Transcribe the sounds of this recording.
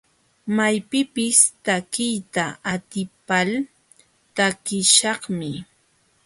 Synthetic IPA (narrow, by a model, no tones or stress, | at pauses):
majpɪpɪst̪akɪjt̪aʔat̪ɪpal | t̪akɪʃɑχmɪ